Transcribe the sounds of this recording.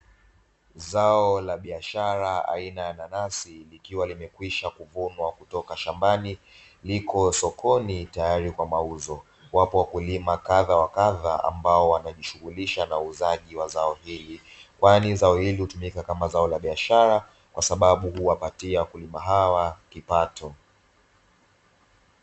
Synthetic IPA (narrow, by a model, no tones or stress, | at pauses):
zaɔlaɓiaʃaɾaa̰inajananasilikiwalimɛkwiʃakuvunwakutɔkaʃambani | likʰɔsɔkʰɔnitajaɾikwamauzɔ | wapɔwakulimakaðawakaðaa̰mbaɔwanaʄiʃuɣuliʃanauzaʄiwazaɔhilikwanizaɔhilihutumikakamazaɔlaɓiaʃaɾa | kwʔasaɓaɓuhuwapatiawakulimaɦawakipatʰɔ